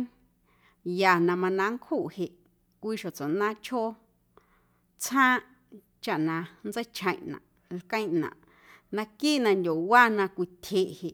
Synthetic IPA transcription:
ja˨nã˧mã˧nã˧ŋkʰhu˦˨ʔhe˧˨ʔ | kʷiː˦ʃo˨t͡so˨ʔnã˦t͡ʃʰho˦ | t͡sʰãː˦ʔ | t͡ʃa˨ʔnã˧nd͡ze˦t͡ʃʰə̃˨j̃ʔnã̰˨ | lkə̃˦j̃ʔnã̰˨ʔ | nã˧ki˦ʔnã˧ndʲo˨wa˦nã˧kʷi˧t̪ʲʰe˧˨ʔhe˨ʔ

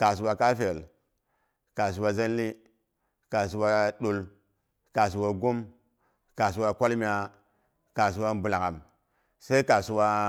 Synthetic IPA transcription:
ka˨s̬u˨wa˧ka˦fe˨l | ka˨s̬u˨wa˧za˦n˦li˦ | ka˨s̬u˨wa˦ɗu˨l | ka˨s̬u˨wa˨ɡu˦m | ka˨s̬u˨wa˨kʷa˦lmi˨a˨ | ka˨s̬u˨wa˦mbu˨la˨ŋa˨m | se˦i˦ka˨su˨wa˦

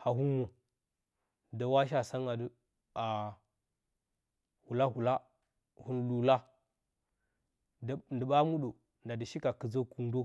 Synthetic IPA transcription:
ha˨ɦu˦mo˨ | da˨wa˦ʃ̬a˦sa˦ŋa˨du˨ | a˨ | hu˨la˦hu˨la˦ | hu˦nlu˨la˦˨ | ndə˨ɓa˦mu˦ɗo˨ | nda˨di˨ʃi˦ka˨kə˨zo˦ku˨n˦do˦

